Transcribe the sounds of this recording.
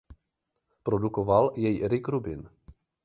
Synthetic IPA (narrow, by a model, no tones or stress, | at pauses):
pɾodukovaljɛjiɾɪkɾubɪn